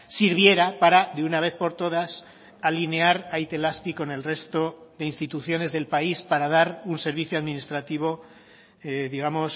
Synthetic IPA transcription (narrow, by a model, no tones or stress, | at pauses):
siɾβje̞ɾapaɾaðeunaβ̞e̞θpo̞ɾt̪o̞ð̞as | aline̞aɾajt̪e̞laspiko̞ne̞lre̞st̪o̞ðe̞inst̪it̪uθjo̞ne̞zðe̞lpaispaɾaðaɾunse̞ɾβiθjoaðmĩnist̪ɾat̪iβ̞o̞ | ðiɣ̞amo̞s